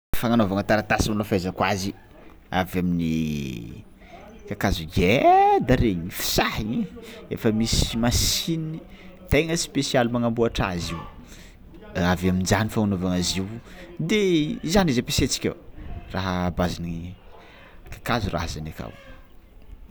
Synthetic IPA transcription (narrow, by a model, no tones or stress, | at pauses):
faŋanovaŋət̪aɾat̪asimilafazakwazi | avamini | kakazuɡed̪aɾeɲifi̥sahiɲiefəmisimasinii | t̪eŋəspesialumaŋambuaʈ͡ʂaziw | avamind͡ʒanifaŋanovaŋaziwd̪ezanizapiset͡si̥kʲa̰wraɦaːbazini | kḁkazura̰ɦazanaka̰w